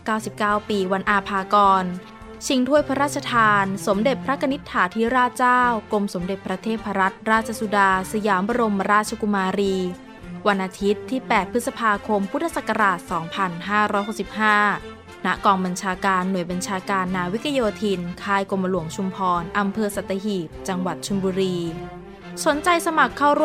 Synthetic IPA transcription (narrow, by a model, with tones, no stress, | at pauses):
kaː˥˩wsi˨˩p̚kaː˥˩wpiː˧wa˧nʔaː˧pʰaː˧kɔː˧n | t͡ɕʰi˧ŋt̪ʰu˥˩əjpʰɾa˦˥ɾaː˥t̪̚t͡ɕʰa˧t̪ʰaː˧nso˩˦mde˨˩t̪̚pʰɾa˦˥kʰa˧ni˦˥t̪ʰːaː˩˦t̪ʰi˦˥ɾaː˥˩t̪̚t͡ɕaː˥˩wko˧mso˩˦mde˨˩t̪̚pɾa˧t̪ʰeː˥˩t̪̚pʰa˧ɾa˦˥t̪̚ɾaː˥˩t̪̚t͡ɕʰa˧su˧daː˧sa˧jaː˩˦mbɔː˧ɾo˧mːa˧ɾaː˥˩t̪̚t͡ɕʰa˧ku˧maː˧ɾiː˧ | wa˧nʔaː˧t̪ʰi˦˥t̪ʰːiː˥˩pɛː˨˩t̪̚pʰɯ˦˥t̚sa˧pʰaː˧kʰo˧mpʰu˦˥t̪ʰːa˧sa˨˩kːa˧ɾaː˨˩t̪̚sɔː˩˦ŋpʰa˧nɦaː˥˩ɾɔː˦˥jɦo˨˩k̚si˨˩p̚haː˥˩ | na˦˥ʔkɔː˧ŋba˧nt͡ɕʰaː˧kaː˧nːu˩əjba˧nt͡ɕʰaː˧kaː˧nːaː˧wi˦˥k̪ʰa˧joː˧t̪ʰi˧nkʰaː˧˥˩jko˧mːa˧lu˩˦əŋt͡ɕʰu˧mpʰɔː˧nʔa˧mpʰɤː˧sa˨˩t̪ːa˧ɦiː˨˩p̚t͡ɕa˧ŋwa˨˩t̪̚t͡ɕʰu˧nbuː˧ɾiː˧ | so˩˦nt͡ɕa˧jsa˧ma˨˩kʰːaː˥˩wɾu˥